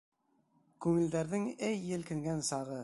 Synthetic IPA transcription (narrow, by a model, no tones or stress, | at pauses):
kʉŋɘ̆ld̪æɾðɘŋɘjːɘ̆lkɘ̆ŋɡænsɑʁɤ